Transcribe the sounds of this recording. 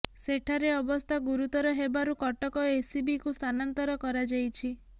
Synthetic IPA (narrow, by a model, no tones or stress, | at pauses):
seʈʰaɾeɔbɔst̪ʰaɡuɾut̪ɔɾɔɦebaɾukɔʈɔkɔesibikust̪ʰanant̪ɔɾɔkɔɾad͡ʒajt͡ʃʰi